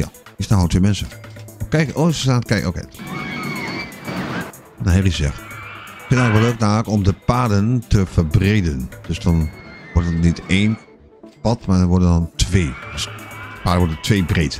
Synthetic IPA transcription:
ja̰ɪsnaotʋeːmɛnsəkɛjkosəsaːkɛko̰kḛ | nahɪrizzɛ̰xt | kfɪntɛŋləkʋɔløːk̚naləkɔmdəpaːdəntəfərbreːdənd̥øsdɔnʋɔɹtətniteːn | pɔtmadɔnʋɔɹdəndɔntʰʋeːdøspaːdəʋɔɹdətʰʋeːbreːt

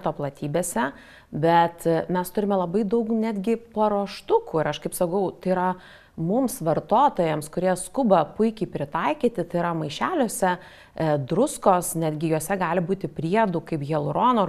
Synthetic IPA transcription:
t̪oːplˠɐt̪ʲiːbʲeːsʲɛ | bʲɛt̪mʲɛst̪ʊɾʲɪmʲɛlˠɐbɐɪd̪ɐʊknʲæd̪ʲɡʲɪpɐɾoːʃt̪ʊkuːɪɾɐʃkɐɪpsɐkɐʊt̪ɐɪɾɐ | mʊmsʋɐrt̪oːt̪oːjɛmskʊɾʲiɛskʊbɐpʊɪkʲɛɪpʲɾʲɪt̪ɑɪkʲiːt̪ʲɪt̪ɐɪɾɐmɐɪʃʲæːlʲoːsʲɛ | d̪ɾʊskoːsnʲæːd̪ʲɡʲɪjoːsʲɛɡɑːlʲɪbuːt̪ʲɪpʲɾʲiɛd̪uːkɐɪpjʲɛlˠʊɾoːnoː

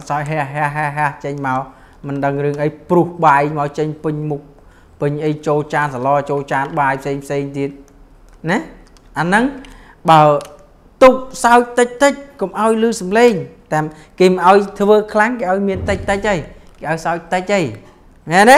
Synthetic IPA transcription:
saɔc̚ɦɛəɦɛəɦɛəɦəht͡ɕəɲmaɔ | mɨnɗəŋrɨəŋʔəjpruhɓamaɔt͡ɕəɲpɨɲmuk̚ | pɨɲʔəjt͡ɕoːlt͡ɕaːnsalɑːt͡ɕoːlt͡ɕaːnɓaːjpʰseːŋpʰseːŋt̪iət̪̚ | nɛ | ʔanɨŋ | ɓaə | t̪uk̚saɔc̚t̪ɨc̚t̪ɨc̚komʔaɔjlɨːsɑmleːŋt̪aːm | keːmɨnʔaɔjt̪ʰʋəːkʰlaŋkeːʔaɔjmiənt̪ɨc̚t̪ɨc̚ʔəj | keːʔaɔjsaʊc̚t̪ɨc̚ʔəj | nɛnɛ

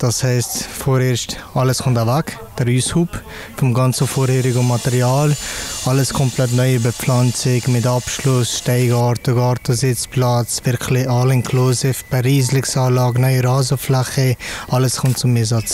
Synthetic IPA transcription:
d̥ɑshɛɪstfoːɾeːɾʃtɑləskʰʊmtavak | d̥əɾyːshuːp | fʊmɡɑnt͡səfɔɾhɛɾɪɡomːɑtɛɾjaːlɑləskʰɔmplɛt̬nɔʏbəp͡flɑnt͡sɪkmɪtɑpʃlʊsʃtɛɪɡɑːɾtʊɡɑːɾtəzɪt͡splat͡svɪɾkʰlɪɑlɪnkʰluzɪfb̥ɛɾiːzlɪksɑːlɑːɡnɔʏəɾaːzəflɛχəɑləskʰʊmt̚t͡sʊmɪzɑt͡s

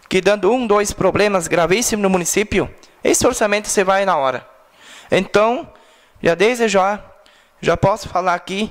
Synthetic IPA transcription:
kɪd̪ɐ̃nd̪ʊũd̪ojspɾoblẽmɐzɡɾavisimʊnʊmũnisipjʊ | ḛsɪoɾsamẽnt̪ʊ̥sɪvajnɐɔɾɐ̰ | ẽnt̪ɐ̃w̃ | ʒad̪ezɪʒa | ʒapɔsʊ̥falaɾaki

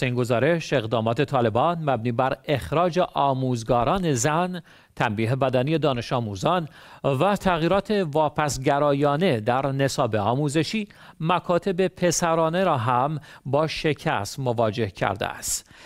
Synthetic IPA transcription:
seiːŋɡo̞zɒːɾe̞ʃe̞ɣd̪ɒːmɒːt̪ʰe̞t̪ʰɒːle̞bɒːnmæbniːbæɾe̞xɾɒːd͡ʒe̞ʔɒːmuːzɡɒːɾɒːne̞zæn | t̪ʰæmbiːɦebæd̪ænije̞d̪ɒːne̞ʃɒːmuːzɒːn | væt̪ʰæɣiːɾɒːt̪ʰe̞vɒːpʰæsɟæɾɒːjɒːne̞d̪æɾne̞sɒːbe̞ɒːmuːze̞ʃiː | mækʰɒːt̪ʰe̞be̞pʰe̞sæɾɒːne̞ɾɒːɦæmbɒːʃe̞cʰæ̰st̪movɒːd͡ʒe̞hcʰæ̰ɾd̪ḛæ̰st̪

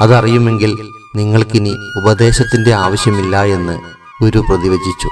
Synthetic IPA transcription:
ɐðɐrijume̞ŋɡil | niŋːɐɭkiniubɐðe̞ːɕɐt̪ːinde̞aːʋɐɕjɐmilːɐe̞nːɨ | o̞ɾuprɐðiʋɐd͡ʑit͡ɕːu

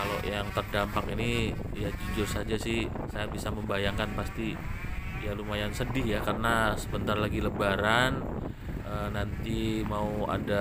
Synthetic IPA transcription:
kalo̰ʔjaŋt̪ərdampakini | jad͡ʒud͡ʒʊrsad͡ʒasɪh | sajabisaməmbajaŋkanpast̪i | jalumajansədɪhjakarənasəbənt̪arlaɡiləbaɾan | ənant̪imaua̰da

